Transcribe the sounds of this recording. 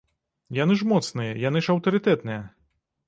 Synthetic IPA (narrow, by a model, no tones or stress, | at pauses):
janɨʐmɔt̪snɨjɐjan̪ɨʂɐwt̪ɐɾɨt̪ɛt̪nɨjɐ